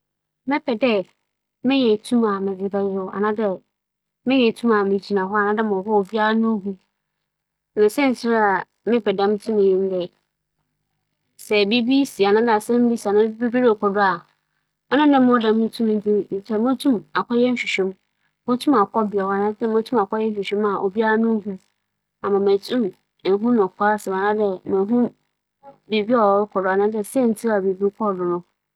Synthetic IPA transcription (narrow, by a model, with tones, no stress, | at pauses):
mɪ̃˦pʰɛ˨dɛ˦ | mɪ̃˦ɲɛ˨tʰũ˦ma˨mɪ̃˨vɪ˨ba˦jɪ˦a̰˨nã˦dɛ˦ | mɪ̃˦ɲɛ̃˨tʰũ˦ma˨mɪ̃˨d͡ʑi˨nã˨ɦɔ˦a˨nã˦dɛ˦˨mʊ̃˨hɔ˦o˨vi˦a˦a˦nʊ̃˦ɦu˦˨ | nã˨sɛ˦n̩˨sɪ˦ɾa˨ | mɪ̃˦pʰɛ˨dã˦m˦tʰũ˦mɪ̃˨jɪ̃˦n˦dɛ˨ | sɛ˨be˦bi˦si˨a˨nã˦da˨sɛ̃˦m˦bi˦si˨a˨nã˦bi˦bi˦ɾkʰɔ˨dʊ˦a˨ | ɔ˦nʊ̃˦nɪ̃˦mʊ̃˦dã˨m̃˦tʰũ˦m˦n̩˦di˦˨n̩˨tʰɛ˦mʊ̃˦tʰũ˦ma˨kʰɔ˦jɛ˦n̩˦ɕᶣi˨ɕᶣɛ̃˦m | mʊ̃˦tʰũ˦ma˨kʰɔ˦bɪ˨ɛ˨wa˨nã˦tɛ̃˦m˦ʊ̃˦tʰũ˦ma˨kʰɔ˦jɛ˦ɕᶣi˨ɕᶣɛ̃˦ma˨ʔo̰˨bi˦a˦a˦nʊ̃˦hũ˦ | a˨mã˨mæ̃˨tʰũ˦m | ɛ˨ɦũ˦nʊ̃˨kʰʷa˦sɪ˨ã˨nã˦dɛ˦mɛ̃˨˦ɦũ˦ | bi˨bi˦ɔ˨˦kʰɔ˨dʊ˨˦a˨nã˦dɛ˦sɛ˦n̩˨tʰi˦a˨bi˨bi˦kʰɔ˦˨dʊ˨nʊ̃˦